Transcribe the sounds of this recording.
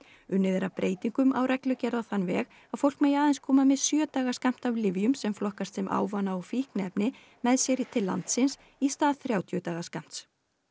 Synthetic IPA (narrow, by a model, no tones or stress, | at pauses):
ʏnːɪðɛɾapɾʔeːjt̪iŋkʏmʔa̰wɾɛklʏcɛɾðaθanvɛːɣ | aðfowl̥kmeːjaːðɛnskʰɔːmamɪðsjœːt̪aːɣaskam̥t̪avlɪvjʏmsɛmflɔhkast̪sɛmʔa̰ːwvanaɔfihknɛpnɪ | mɛðsjɛɾɪt̪ʰɪlːa̰nt̪sɪns | ist̪aːðθɾjaːwt̪ʰjʏt̪aːɣaskam̥t̪s